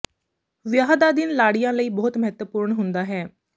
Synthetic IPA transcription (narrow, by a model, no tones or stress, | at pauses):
ʋɪjaːɦd̪aːd̪ɪnlaːɽijãːləiːbɔːʊt̪məɦɛt̪wəpuːɾɳɦʊnd̪aːɦɛː